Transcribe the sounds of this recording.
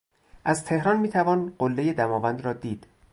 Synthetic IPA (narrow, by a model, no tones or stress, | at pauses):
ʔæzt̪ʰe̞hɾɒːnmiːt̪ʰævɒːnɢ̥olːejed̪æmɒːvænd̪ɾɒːd̪iːd̪̥